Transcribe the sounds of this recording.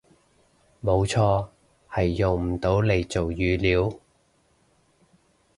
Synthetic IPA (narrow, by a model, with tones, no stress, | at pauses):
mo˨˧wt͡sʰɔː˧ | hɐ˨jːo˨˩ŋm̩˨˩t̪o˨˥wle˨˧jt͡so˨wjyː˨˧liː˨˥w